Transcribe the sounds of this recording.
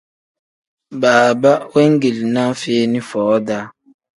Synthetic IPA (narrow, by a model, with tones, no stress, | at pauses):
baː˨ba˦we˦ŋ̩˦ɡe˨li˨na˦feː˦ni˦fɔː˨˦da˦